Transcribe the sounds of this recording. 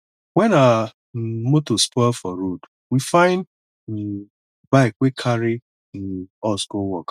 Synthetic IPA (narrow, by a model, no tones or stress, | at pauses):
wɛna | motospɔɪlfɔɾod | wifãɪ̃n̩ | baekʷekʰaɾɪ | n̩ɔskowɔk